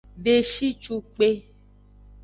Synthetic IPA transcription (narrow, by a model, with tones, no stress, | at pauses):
be˨ʃi˦t͡ʃu˧k͡pe˦